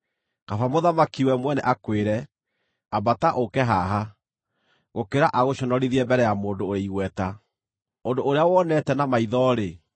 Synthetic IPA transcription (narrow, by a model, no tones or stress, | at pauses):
kafamoðamakiwɛmwɛnɛ̰ʔakweɾɛ | abataʔokɛɦaɦa | ɣokeɾaʔaɣoɕɔnɔɾiðiɛmbɛɾɛjamoːndoːɾeiɣwɛta | ondoʔːɾeawɔnɛtɛnamaiðɔɾe